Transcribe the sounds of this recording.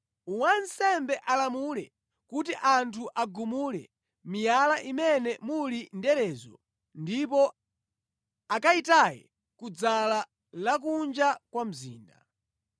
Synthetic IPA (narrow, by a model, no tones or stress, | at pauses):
uwansɛmbɛʔalamulɛ | kut̬iʔantʰuʔaɡumulɛ̰ | mijalaʔimɛnɛmulindɛɾɛːzɔ̰ | ndipɔ | akaitajɛ̰ | kud͡zala | lak̬und͡ʒakwam̩zḭːnda